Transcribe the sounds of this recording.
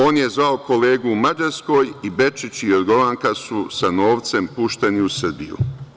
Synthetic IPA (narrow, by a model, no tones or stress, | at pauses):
o̞ːnje̞zʋaokʰo̞leːɡuːmad͡ʒaɾsko̞ːjibe̞t͡ʃit͡ɕiod̪ɡo̞laŋkasusano̞ːʋt̪se̞mpuʃt̪e̞niusr̩bijṵ